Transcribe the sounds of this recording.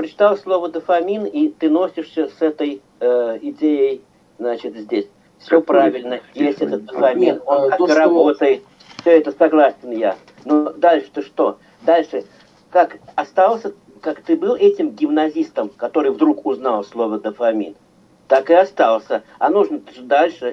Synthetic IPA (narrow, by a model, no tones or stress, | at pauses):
pɾət͡ɕɪ̥t̪alˠslˠo̞vəd̪əfɐmʲinit̪ɨno̞sʲɪʂsʲəsɛt̪əj | əɪdʲejɪj | znat͡ɕɪt̪zʲdʲesʲ | fsʲopɾavʲɪlʲnəjesʲtʲɛt̪ət̪̚d̪əfɐmʲinkakɾɐbo̞t̪əjɪt̪̚ | fsʲɵɛt̪əsɐɡlˠasʲɪnja | nod̪alʲʂɨ̥t̪ɨʂt̪o̞ | d̪alʲʂɨ | kakɐst̪alˠsʲə | kakt̪ɨbɨlˠɛtʲɪmɡʲɪmnɐzʲist̪əmkɐt̪o̞ɾɨjvd̪ɾukʊznɑlˠslˠo̞vəd̪əfɐmʲḭn | t̪akɨɐst̪alˠsʲə | ɐnuʐnəʐd̪alʲʂɨ